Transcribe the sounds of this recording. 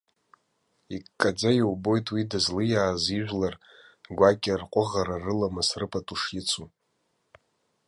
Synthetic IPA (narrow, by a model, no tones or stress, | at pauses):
ikkʼːad͡zajiwbo̞jtʼwidazlɨjaːziʒᶣʷlar | ɡʷakʲʼɪrqʷʼʊʁaɾarɨlamasrɨpʰʼatʼuʂjɪt͡sʰu